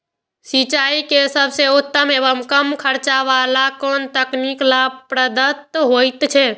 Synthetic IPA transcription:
sit͡ʃaikesəbʱseut̪ːəmebəmkəmkʰəɾt͡ʃaʋalakont̪əkniklapɾəd̪ət̪ːɦojt̪t͡ʃʰɛ

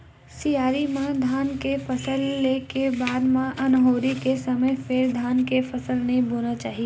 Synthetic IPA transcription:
sijaːɾimãd̪ʱaːnkefɐsəlːekebaːd̪mãʔɐnɦoːɾikesɐməjfɪɾd̪ʱaːnkefɐsəlnɐɦĩboːnat͡ʃaːɦie

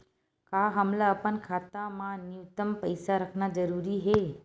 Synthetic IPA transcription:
kaɦəmlaəpənkʰat̪amãnjuʋt̪əmpəjsaɾəkʰnad͡ʒəɾuːɾiɦe

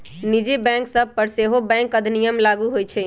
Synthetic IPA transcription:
nid͡ʒebɛ̃ŋksəb̚ʱpəɾseɦobɛ̃ŋkəd̪ʱnijəmlaɡuɦojt͡ʃʰɛ

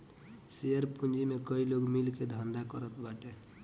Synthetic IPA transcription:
seəɾpund͡ʒimekəiloɡmilked̪ʱənd̪akəɾət̪baʈe

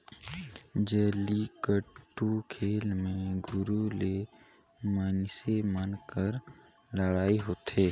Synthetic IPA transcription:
d͡ʒəːlikəʈːukʰeːlmẽɡʱʊɾule | maːnɪsemənkəɾ | ləɽaːiɦoːt̪eː

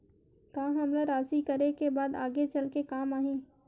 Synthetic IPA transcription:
kaːɦɐmlaɾaːsikəɾekebaːd̪a̰ːɡet͡ʃɐlkekaːmaːɦẽː

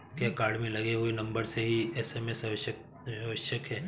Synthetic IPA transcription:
kjaːkaːɾɖmẽlɐɡeɦuenɐ̃mbəɾseɦiɛːseːmesɐʋʃ | ɐʋəʃjəkɦɛː

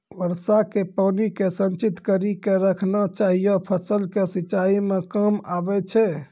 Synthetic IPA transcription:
ʋəɾsakepəːnikesənt͡ʃit̪kəɾikeɾəkʰnat͡ʃaɦijopʰəsəlkesiːt͡ʃaimekəmabɛt͡ʃʰɛ

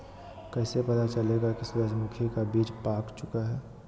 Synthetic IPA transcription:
kɛːsepɐt̪at͡ʃɐleɡakisʊɾəd͡ʒmʊkʰikabiːd͡ʒpaːkt͡ʃʊkaɦɛː

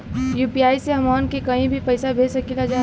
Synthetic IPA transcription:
juːpiaːiseɦɐmaːnkekɐɦĩbʱipɐɪsabʱeːsɐkilad͡ʒaː

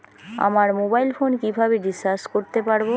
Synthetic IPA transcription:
a̰maɾmobajlfonkibʱabeɖisaskoɾt̪epaɾbo

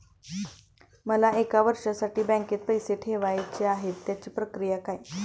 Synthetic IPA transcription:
məlaʔekaʋəɾʂasaʈiːbɛ̃ŋket̪̚pəjseʈʰeʋajt͡ɕeaɦet̪ːjat͡ɕiːpɾəkɾijakaj

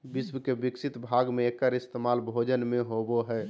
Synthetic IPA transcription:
bismkebiksit̪bʱaɡmẽekːəɾist̪emalbʱod͡ʒənmẽɦoboɦɛ

